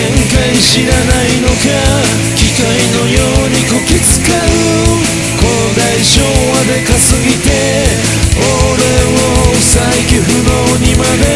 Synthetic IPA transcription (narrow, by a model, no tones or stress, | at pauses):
ẽŋkaiɕiɾanaino̞ka | kʲikaino̞joːɲ̟ikokʲit͡sɨ̥kaɯ | ko | d̪aiɕo̞ːmad̪e̞kasɨɡʲit̪e̞ | oɾe̞o | saikʲiɸɯ̟d̪oːɲ̟imad̪e̞